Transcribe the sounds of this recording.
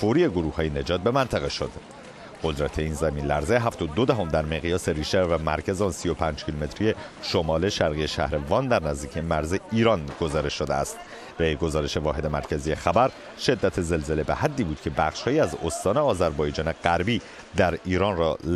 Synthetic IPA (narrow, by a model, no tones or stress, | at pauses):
foɾiːe̞ɡoɾuːhɒːjene̞d͡ʒɒːt̪̚bemænt̪ʰæɣeʃod̪̥ | ɢo̞d̪ɾæt̪ʰe̞iːnzæmiːnlæɾzeɦæft̪od̪od̪æɦomd̪æɾmeɣijɒːseɾiːʃevæmæ̰ɾcʰæznsijopʰæːnd͡ʒcʰilume̞t̪ʰɾije̞ | ʃomɒːle̞ʃæɾɣije̞ʃæ̰hɾevɒːnd̪æɾnæzd̪iːcʰiemæɾzeiːɾɒːnɡ̥o̞zɒːɾe̞ʃːod̪eæ̰st̪ | beɡo̞zɒːɾe̞ʃe̞vɒːɦe̞d̪emæ̰ɾcʰæzijexæbæɾ | ʃe̞d̪ːæt̪ʰeze̞lzele̞behæd̪ːiːbuːd̪̚cʰe̞bæχʃhɒːjiæzost̪ɒːneɒːzæɾbɒːjed͡ʒɒːne̞ɡæɾbiː | d̪æɾiːɾɒnɾɒ